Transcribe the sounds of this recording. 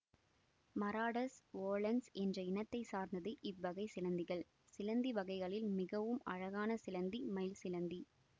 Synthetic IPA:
mɐɾaːɽɐsoːlɐnsɛndrɐɪnɐt̪ːɐɪsaːɾnd̪ɐðɯʔɪʋːɐɣɐɪsɪlɐnd̪ɪɣɐɭ | sɪlɐnd̪iʋɐɣɐɪɣɐɭɪlmɪɣɐʋɯmɐ̰ɻɐɣaːnɐsɪlɐnd̪imɐɪlsɪlɐnd̪i

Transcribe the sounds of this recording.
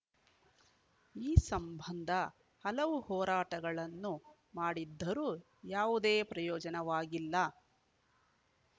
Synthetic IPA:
iːsɐmbʱɐnd̪ʱɐ | hɐlɐʋuhɔːɾaːʈɐɡɐɭɐnːu | maːɽid̪ːɐɾuː | jaːʋud̪eːpɾɐjɔːd͡ʒɐnɐʋaːɡilːɐ

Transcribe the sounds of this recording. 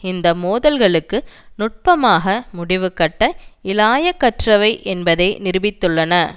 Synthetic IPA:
ɪnd̪ɐmoːðɐlɣɐɭɯkːɯnʊʈ̚pɐmaːɣɐmʊɽɪʋɯkːɐʈːɐɪlaːjɐkːɐʈrɐʋɐɪʔɛnbɐðɐɪnɪɾɯbɪt̪ːɯɭːɐnɐ

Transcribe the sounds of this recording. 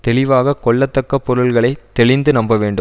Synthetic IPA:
t̪ɛɭɪʋaːɣɐkɔɭːɐt̪ːɐkːɐpːɔɾɯlɣɐɭɐɪt̪ːɛɭɪnd̪ɯnɐmbɐʋeːɳɖɯ

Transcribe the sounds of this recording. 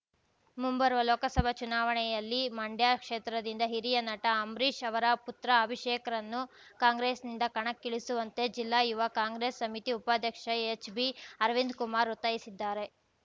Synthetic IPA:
mumbɐɾʋɐloːkɐsɐbʱɐt͡ʃunaːʋɐɳɛjɐlːimɐɳɖjaːkʂeːt̪ɾɐd̪ind̪ɐɦiɾijɐnɐʈɐːmɾiːʃɐʋɐɾɐput̪ɾɐːbʱiʂeːkɐɾɐnːu | kaːŋɡɾeːsnind̪ɐkɐɳɐkːiɭisuʋɐnt̪e̞d͡ʒilːaːjuʋɐkaːŋɡɾeːsːɐmit̪iupaːd̪ʱjɐkʂɐet͡ʃbiɐɾʋind̪kumaːɾut̪ːɐjisid̪ːaːɾe̞

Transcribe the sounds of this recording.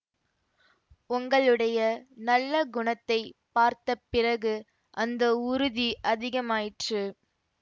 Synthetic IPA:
ʊŋɡɐɭɯɽɐjɐnɐlːɐɡʊɳɐt̪ːɐɪpaːɾt̪ɐpːɪrɐɣɯ | ʔɐnd̪ɐʊɾʊðiʔɐðɪɣɐmaːjɪʈrɯ

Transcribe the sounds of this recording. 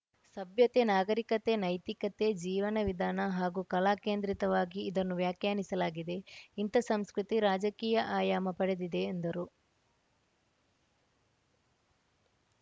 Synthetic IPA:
sɐbʱjɐt̪e̞naːɡɐɾikɐt̪e̞nɐjt̪ikɐt̪e̞d͡ʒiːʋɐnɐʋid̪ʱaːnɐɦaːɡukɐlaːke̞ːnd̪ɾit̪ɐʋaːɡiːd̪ɐnːuʋjaːkjaːnisɐlaːɡid̪e̞int̪ɐsɐmskɾut̪iɾaːd͡ʒɐkiːjɐʔaːjaːmɐpɐɽe̞d̪id̪e̞ːnd̪ɐɾu

